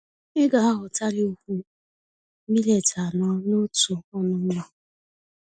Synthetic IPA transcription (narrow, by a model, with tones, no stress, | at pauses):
ɪ˦ɡa˨a˦ɦʊ˨ta˦li˦o˦kʷu˦ | mi˦le˨ta˨nɔ˦no˦tu˨ɔ˦nʊ˦m̩˦ma˦˨